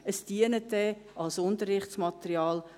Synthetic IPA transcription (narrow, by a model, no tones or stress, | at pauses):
əsd̥iənətːɛ | ʔɑlsʊntəɾɪχtsmɑtəɾiɑːl